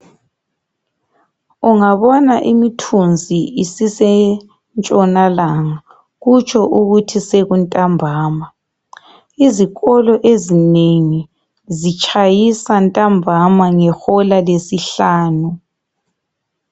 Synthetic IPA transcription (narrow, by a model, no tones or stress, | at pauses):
uŋaβɔnaʔimitʰund͡zʱiisisɛ | nt͡ʃʼɔnalaŋa | ɣut͡ʃʰɔʔuɣutʰiseɣuntʼambʱaːma | iziɣɔlɔʔezineŋi | zit͡ʃʰʼajisantʼambʱamaŋɛxɔlalesiɬaːnu